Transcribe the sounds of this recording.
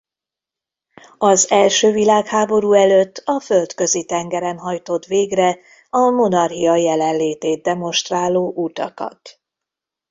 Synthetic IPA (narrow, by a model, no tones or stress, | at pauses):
ɒzɛlʃøːvilaːkhaːbo̞ɾuːɛløt̪ːɒfø̞lt̪kø̞zit̪ɛŋɡɛɾɛnɦɒjt̪o̞t̪ʋeːɡrɛ | ɒmo̞nɒrɦiɒjɛlɛnleːt̪eːt̪̚d̪ɛmo̞nʃt̪raːlːoːʔuːt̪ɒkɒ̰t̪